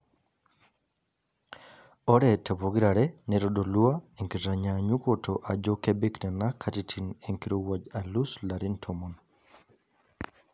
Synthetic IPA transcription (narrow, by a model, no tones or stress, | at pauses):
ɔɾɛtɛpoɡiɾaɾɛnɛɾɔdoluaeŋkitaɲaɲukɔtɔʔad͡ʒɔkɛbɛknɛnakʰatitʰineŋkiɾowad͡ʒaluslaɾintʰɔmɔn